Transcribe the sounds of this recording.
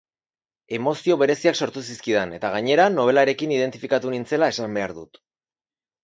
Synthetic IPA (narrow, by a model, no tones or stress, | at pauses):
e̞mo̞sio̞βe̞ɾe̞siakso̞ɾt̪us̬iskiðene̞t̪aɣ̞aɲe̞ɾano̞β̞e̞laɾe̞kiniðe̞nt̪ifikat̪unint͡se̞lae̞sambe̞aɾðut̪